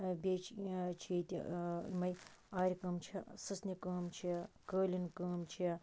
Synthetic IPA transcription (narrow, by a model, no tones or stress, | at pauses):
bʲeːt͡ʃʰt͡ʃʰiːt̪ʲḭimɐjaːɾʲikɨːmt͡ʃʰisɨsnikəːmt͡ʃʰikəːlʲinkəːmt͡ʃʰi